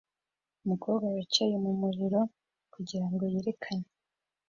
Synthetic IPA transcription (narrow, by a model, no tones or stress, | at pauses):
umukoːβɡajat͡ʃejumumuɾiɾo̞ | kuɟiɾaŋɡo̞jeːɾe̞kʰaɲe